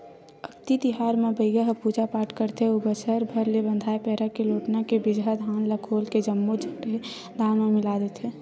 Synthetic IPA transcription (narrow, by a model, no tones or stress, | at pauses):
əkt̪it̪ɪɦaːɾmẽbəɪɡəɦpuːd͡ʒapaːʈkəɾt̪eubət͡ʃəɾbʱəɾlebə̃nd̪ʱaːepɛːɾakeloːʈnakebɪd͡ʒɦad̪ʱaːnləkʰoːlked͡ʒəmːod͡ʒʱəkʈe | d̪ʱaːnmẽmɪlaːd̪et̪ɦeː